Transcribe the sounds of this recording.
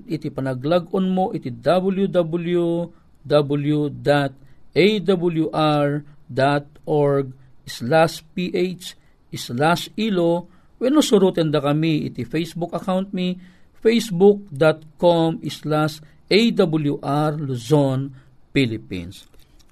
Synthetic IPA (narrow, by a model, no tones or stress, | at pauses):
it̪ipɐnɐɡlaɡʔonmoʔit̪id̪ɐbɐljud̪abʊlju | d̪abʊljud̪at̪̚ʔejd̪abɐljuʔaɹd̪at̪̚ʔoɹɡ̚islaspiʔejt͡ʃ | ʔislasilo | wɛnosʊɾut̪ɛnd̪ɐkɐmiʔɪ̰t̪ifejsbukɐkawnt̪̚mifejsbuk̚d̪at̪̚komislas | ʔejd̪abʊljuʔaɹluson | pilɪpḭns